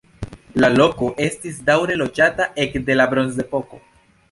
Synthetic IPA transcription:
lalo̞ko̞ʔe̞stisdawɾe̞lo̞d͡ʒataʔe̞kde̞labɾo̞nze̞po̞ko̞

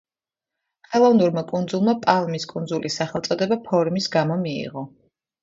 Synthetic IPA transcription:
χɛlˠɔvnuɾmakʼund̪zulˠmapʼalˠmiskʼund̪zulisːaχɛlˠt̪sʼɔd̪ɛbapʰɔɾmisɡamɔmiḭʁɔ

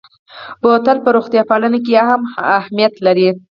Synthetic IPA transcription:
bot̪alpəɾoɣt̪jɑpɑlənakejɑhamahmijat̪laɾi

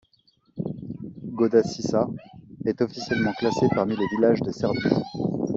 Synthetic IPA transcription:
ɡod̪asisaɛt̪ɔfisjɛlmɑ̃klasepaʁmilevilaʒd̪əsɛʁd̪y

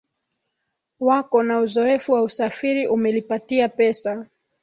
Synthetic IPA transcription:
wakɔnauzɔɛfuwausafiɾiʔumɛlipatiapɛsa

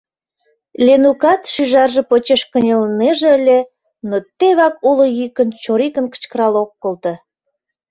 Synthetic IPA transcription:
lʲenukɑt̪ʃyʒɑrʒĕpot͡ɕeʃkə̆nʲeləneʒĕəlʲe | not̪ːeβɑkulŏjykənt͡ɕoɾikə̆nkə̥t͡ɕkəɾɑlokːə̆lt̪ə̆

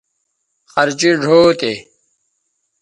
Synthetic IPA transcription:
xɐɾd͡ʑiɖʱoːt̪e

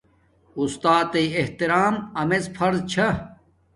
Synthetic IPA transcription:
ust̪aːt̪ɐieht̪iɾaːmɐmezfʰɐɾzt͡ɕʰɐ

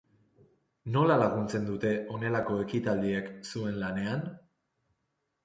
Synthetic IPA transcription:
no̞lalaɣ̞unt͡se̞nd̪ut̪e̞ʔo̞ne̞lako̞e̞kit̪ald̪ieksue̞nlane̞an

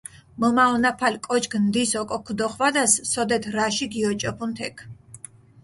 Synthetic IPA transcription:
mɔmaɔnapʰalkʼɔt͡ʃɡnd̪isɔkʼɔkʰd̪ɔχwad̪asːɔd̪ɛt̪ʰɾaʃiɡiɔt͡ʃʼɔpʰunt̪ʰɛkʰ

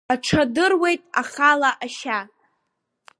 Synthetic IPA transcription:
aʈ͡ʂʰadɨrwe̞jtʼaχalaʔaʃa

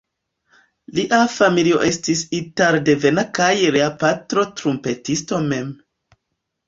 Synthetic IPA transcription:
liʔafamilio̞̰ʔe̞stisitaɾde̞ve̞nakajɾeapatɾo̞tɾumpe̞tisto̞me̞m

